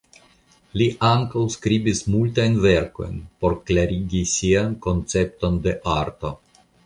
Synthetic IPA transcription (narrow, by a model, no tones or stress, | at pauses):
liʔaŋkawskɾibismultajnve̞ɾko̞̰jnpo̞ɾklaɾiɡisianko̞nt͡se̞pt̪o̞nd̪e̞ʔaɾt̪o̞